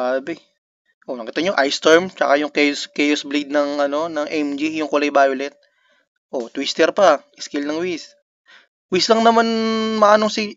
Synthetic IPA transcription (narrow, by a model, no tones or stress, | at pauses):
abɛ | ʔonɐkiːt̪ɐɲoʔajst̪ɛɹmt͡ʃɐkajʊŋkɛjoskɛjosblid̪̚nɐŋʔɐno̞nɐŋʔɛmd͡ʒijʊŋkʊlɐjbaːjolɛt̪̚ | ʔot̪wist̪ɛɾpɐʔɪskɪlnɐŋwis | wislɐŋnɐmanmɐʔaːnosi